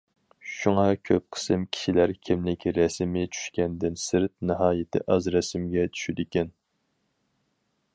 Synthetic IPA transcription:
ʃuŋɑkʲʰøp̚qʰə̥sɨmkʲʰi̥ʃilæɾkʲʰimlɪkʲɾɛsmɪt͡ʃʰy̥ʃkʲɛnd̪ɪnsɨɾt̪̚nɨɦɑːjɪt̪ʰɪ̰ʔɑzɾɛsɪmɡʲɛt͡ʃʰy̥ʃyd̪ɪkʲɛn

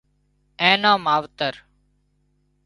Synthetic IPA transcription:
ẽːnãːmaːʋt̪əɾ

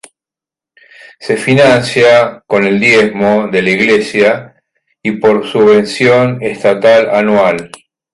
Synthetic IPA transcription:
se̞finãnsjako̞ne̞ld̪jezmo̞ðelaiɣlesja | ipo̞ɾsuβe̞nsjo̞ne̞st̪at̪alanwal

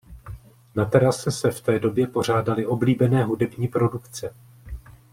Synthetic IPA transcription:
nat̪ɛɾasɛsɛft̪ɛːdo̞bjɛpo̞r̝aːdalɪʔo̞bliːbɛnɛːɦudɛbɲiːpɾo̞dukt͡sɛ

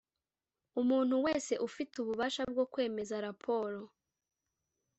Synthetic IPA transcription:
umuːn̥huwe̞ːse̞ʔufituβuβaːʃab̚ɡo̞kwe̞ːme̞zaɾapʰo̞ːɾo̞

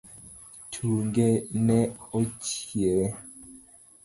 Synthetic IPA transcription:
tʰuŋɡɛnɛot͡ʃjɛɾɛ

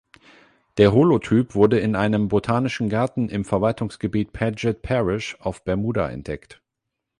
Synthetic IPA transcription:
d̥eːɐɦolotʰyːpv̥ʊɐdəɪnʔaɪnəmbotʰaːnɪʃn̩ɡaɐtn̩ʔɪmfɛɐvaltʰʊŋsɡ̥əbiːt̚pʰɛd͡ʒɛt̚pʰɛʁɪʃaʊfb̥ɛɐmuːda̰ʔɛ̰ntd̥ɛkt

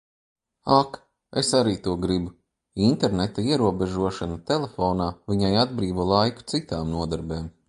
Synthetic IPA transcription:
ak | esaɾiːt̪uɔɡɾibu | int̪eɾnet̪aiɛɾuɔbeʒuɔʃanat̪elˠefɔːnaːvʲiɲajad̪bɾiːvuːlˠajku̥t̪sit̪aːmnuɔd̪aɾbeːm

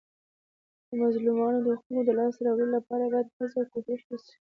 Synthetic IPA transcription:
d̪̥əmɑzlumɑnod̪əxkənod̪əlɑsɾɑwɽəlolapɑɾabɑjad̪̚xəzawkoʃɪʃnaʃi̥

